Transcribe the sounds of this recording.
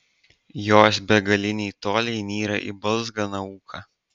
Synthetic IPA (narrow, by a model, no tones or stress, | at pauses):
joːs̬bʲɛɡɐlʲɪnʲɛɪt̪oːlʲɛɪnʲiːɾɐ̰ʔḭbɐlˠzɡɐnɐuːkʰɐ